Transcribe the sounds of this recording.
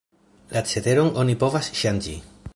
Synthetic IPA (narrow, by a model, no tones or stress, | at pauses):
lat͡set̪eɾoŋonipo̞vasʃand͡ʒḭ